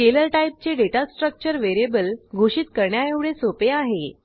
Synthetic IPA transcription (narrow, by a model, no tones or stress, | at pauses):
ʈeləlʈaip̚t͡ɕeɖeʈasʈɾək̚t͡ɕəɾʋeɾebəlɡʱoɕiːt̪kəɾɳjaeʋɭesopeaɦe